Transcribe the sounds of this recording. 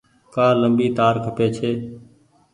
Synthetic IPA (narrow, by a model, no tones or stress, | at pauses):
kaːləmbiːt̪aːɾkʰəpeːt͡ʃʰeː